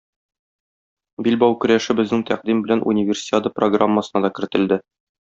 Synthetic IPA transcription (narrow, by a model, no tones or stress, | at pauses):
bilbɑwkɵ̆ɾæʃɘbɘ̆znɘŋt̪æq̚d̪imbɘ̆lænʔṵnʲɪvʲɪrsʲɪ̥t̪ʲad̪ɤproɡramːəsɤ̆nɑd̪ɒkɘ̆ɾɘ̆t̪ɘ̆ld̪ɘ